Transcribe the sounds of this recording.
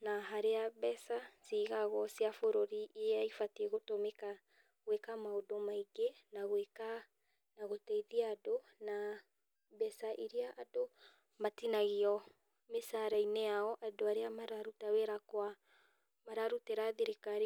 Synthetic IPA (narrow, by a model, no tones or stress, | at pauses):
naɦaɾeabɛsasiːɣaɣɔsiafoɾoɾiʔeaifateɣotomeka | ɣɛkamaodomaiɡenaɣweka | naɣoteiðiaːdona | bɛsaʔiɾiaʔːdo | matinaɣiɔ | mesaɾajneaɔʔadoaɾeamaɾaɾutaweɾakwa | maɾaɾuteɾaðeɾekaɾi